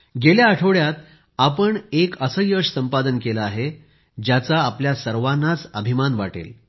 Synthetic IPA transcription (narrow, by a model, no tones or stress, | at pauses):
ɡeljaːʈʰəʋɭjat̪ | apəɳekəsəjəʂsəmpad̪ənkelaaɦe | d͡ʑjat͡saːpljasəɾʋanːat͡səbʱimanʋaʈḛl